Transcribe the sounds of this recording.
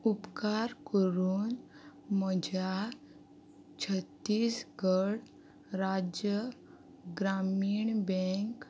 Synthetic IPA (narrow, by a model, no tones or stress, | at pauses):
upkaɾkəɾuːnməd͡ʑʱa | t͡ɕʰət̪ːiːsɡəɽ | ɾad͡ʑjə | ɡɾamiːɳbɛ̃ŋk